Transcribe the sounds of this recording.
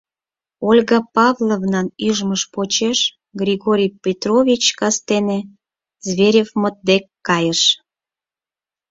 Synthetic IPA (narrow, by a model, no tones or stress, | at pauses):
olʲɣɑpɑvlˠovnɑnyʒməʃpot͡ɕeʃ | ɡrʲiɣoɾʲijpʲet̪rovʲit͡ɕkɑst̪ene | zβeɾʲefmot̪̚d̪ekːɑjəʃ